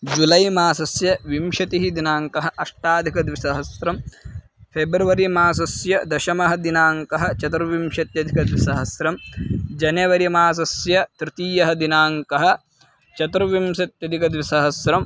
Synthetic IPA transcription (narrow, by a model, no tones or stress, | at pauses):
d͡ʒulɐjmaːsɐsjɐʋimʃɐt̪iɦid̪inaːŋkɐɦɐʔɐʂʈaːd̪ʱikɐd̪ʋisɐɦɐsɾɐm | pʰeːbɾuʋɐɾimaːs̬ɐsjɐd̪ɐʃɐmɐɦɐ̆d̪inaːŋkɐɦɐ̆t͡ʃɐt̪ɾʋimʃɐt̪jɐd̪ʱikɐd̪ʋisɐɦɐsɾɐmd͡ʒɐneʋɐɾimaːs̬ɐsjɐt̪ɾɪt̪iːjɐɦɐd̪inaːŋkɐɦɐ̆ | t͡ʃɐt̪ɾʋimʃɐt̪jɐd̪ʱikɐd̪ʋisɐɦɐsɾɐm